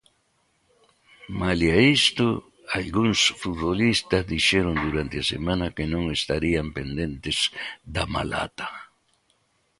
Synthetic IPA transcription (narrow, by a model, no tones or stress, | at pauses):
maliaist̪ʊ | alɡuŋsfut̪βolist̪ɐzðiʃɛɾʊnd̪uɾant̪ɪasḛmãnɐkenõŋest̪aɾiampend̪ent̪ɪz̥d̪ama̰la̰t̪ḁ